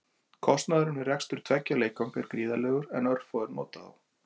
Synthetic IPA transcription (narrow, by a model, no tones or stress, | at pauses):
kʰɔst̪naðʏɾʏnɪrɛkst̪ʏɾ̥t̪ʰvɛcːaleːjkawŋkɪɾ̥kɾiːðalɛːɣʏɾɛnœɾfɔːðʏɾmɔ̰ːt̪aa̰w